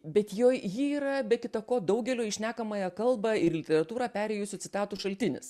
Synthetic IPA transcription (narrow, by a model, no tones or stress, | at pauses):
bʲɛt̪joːjjiiːɾɐbʲɛkʲɪt̪ɐkoːd̪ɐʊɡʲɛlʲoːɪʃʲnʲæːkɐmɐjɛkɐlˠbɐɪɾlʲɪt̪ʲɛɾɐt̪uːɾɑːpʲæːɾʲɛɪjʊsʲʊt͡s̪ʲɪt̪ɑːt̪uːʃɐlʲt̪ʲɪnʲɪ̰s